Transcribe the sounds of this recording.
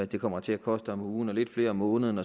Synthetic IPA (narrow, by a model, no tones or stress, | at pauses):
æd̥e̝kʰɒ̽m̰ɐt͡sʰe̝ækʰɒ̽sd̥əɒmuːn̩ɒle̝d̥fle̝ːɐmɔ̽ːnəð̞̩ˠn̩ɒ̽